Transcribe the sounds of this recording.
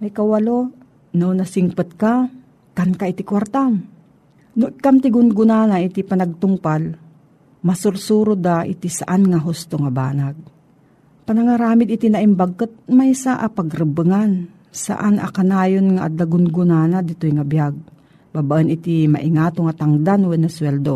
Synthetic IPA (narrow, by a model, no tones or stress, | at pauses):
mɐjkawalo | nownɐsiŋpɨt̪̚ka | t̪ankaɪt̪ikwaɾt̪am | noʔɪkamt̪ɪɡʊnɡʊnaːnaʔɪt̪ipɐnɐɡ̚t̪ʊŋpal | mɐsʊɾsuɾod̪aʔɪ̰t̪isa̰ʔanŋaɦʊst̪oŋaba̰ːnaɡ̚ | pɐnɐŋaɾaːmɪd̪ɪt̪inaʔɪmbaɡ̚kɨt̪̚majsaʔapɐɡɾɨbɨŋan | sa̰ʔanʔa̰kanaːjonŋaʔa̰d̪laɡʊnɡʊnaːnad̪ɪt̪ojŋabjaɡ̚ | babaʔənɪt̪ima̰ʔɪŋaːt̪oŋat̪aŋd̪anwɛnːɐswɛld̪o